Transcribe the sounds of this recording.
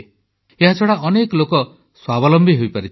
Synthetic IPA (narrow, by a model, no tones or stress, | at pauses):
eɦat͡ʃʰɔɽaʔɔnekɔlokɔ | swabɔlɔmbʱiɦojpaɾit͡ʃʰ